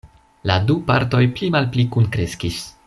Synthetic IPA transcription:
ladupa̰ɾto̞jplimalplikunkɾeskis

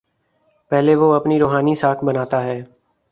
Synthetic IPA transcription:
pɛɦleːʋoːəpniːɾoːɦaːniːsaːkʰbənaːt̪aɦɛː

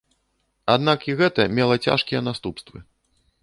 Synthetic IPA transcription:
ad̪nakiɣɛt̪ɐmʲɛlˠɐt͡sʲa̰ʂkʲijɛnast̪upst̪vɨ̰

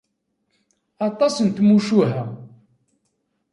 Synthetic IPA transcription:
ɑt̪ˤɑsənt̪muʃuɦæ

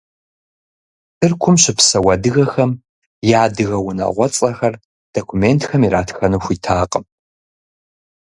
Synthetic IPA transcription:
tʰɨrkʷʰʊmɕɪpsɐwɐdɨɣɐxɐm | jaːdɨɣɐwʊnɐ̰ʁʷɔt͡sʼɐxɐr | d̥okʰʷumentʰxɐmiɾaːtʰxɐnuxʷiːtʰaːqʼəm

